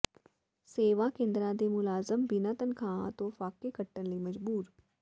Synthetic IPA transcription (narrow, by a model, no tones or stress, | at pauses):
seːʋakẽːnd̪ɾãd̪emʊlaːzəmbinat̪ənkʰãːãt̪ofaːkekɐʈːənlemɐd͡ʒbuːɾ